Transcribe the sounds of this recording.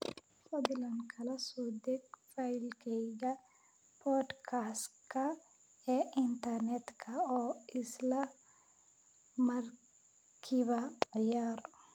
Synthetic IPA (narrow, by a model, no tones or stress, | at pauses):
fɐðɪlɐnkʰɐlɐsɔːd̪ɛɡfajlkʰɛjɣɐ | pʰɔːd̪kʰaskʰɐ | ɛːʔɪnt̪ɐrnɛt̪kʰɐɔːɪslɐ | mɐr | kʰɪβɐʕɪjaːɾɔ